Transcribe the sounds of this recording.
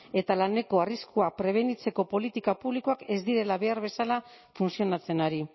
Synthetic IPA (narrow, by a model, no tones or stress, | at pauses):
e̞t̪alane̞ko̞ariskuapɾe̞β̞e̞nit͡se̞ko̞po̞lit̪ikapuβlikoake̞zd̪iɾe̞laβe̞aɾβ̞e̞sala | funsio̞nat͡se̞naɾi